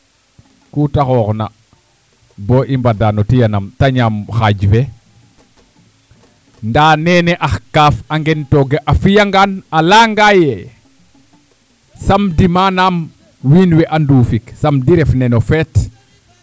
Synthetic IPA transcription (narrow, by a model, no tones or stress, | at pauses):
kutaxɔːxna̰ | bɔʔimbadanɔtijanamtaɲamxaɟfɛ | ndaːnɛːnɛʔaxkaːfaŋɡɛntɔɡeʔafijaŋɡanalaŋɡajɛ | sɐmdimanaːm | wiːnwɛʔanduːfiksɐmdiɾɛfnɛnofɛːt